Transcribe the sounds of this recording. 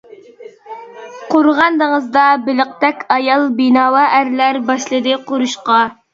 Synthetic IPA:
qʰoɾʁɑnd̪əŋəzd̪ɑbɪlɪq̚t̪ɛkʲʰɑjɑlˠbinɑːwɑʔæɾlæɾbɑʃlˠɨd̪ɨqʰoɾuʃqɑ

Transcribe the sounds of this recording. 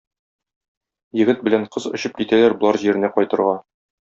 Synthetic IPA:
jɘ̆ɡɘt̪̚bɘ̆læɴqʰɤzŏɕɤp̚kit̪ælæɾbŏlˠɑɾʑiɾɘ̆næqɒjt̪ɤ̆ɾʁɑ

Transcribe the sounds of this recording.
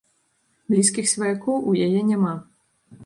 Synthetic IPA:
blʲiskʲixsʲvɐjakɔwʔujajɛnʲama

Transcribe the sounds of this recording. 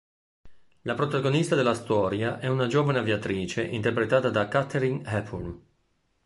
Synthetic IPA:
lapɾot̪aɡonist̪ad̪elːast̪ɔːɾjaʔɛunad͡ʒoːvaneavjat̪ɾiːt͡ʃeʔint̪erpɾet̪aːt̪ad̪akat̪eɾiŋhɛpʰun

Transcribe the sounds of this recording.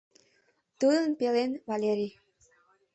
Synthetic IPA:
t̪ud̪ənpelenvalʲeɾi

